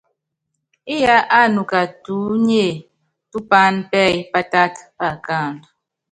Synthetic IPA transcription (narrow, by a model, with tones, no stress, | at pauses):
i˦ja˦ʔa˦˨nu˨ka˨tu˨˦ɲe˦˨ | tu˦pa˦npɛ˦˨jpa˦ta˦tpa˦˨ka˦˨nd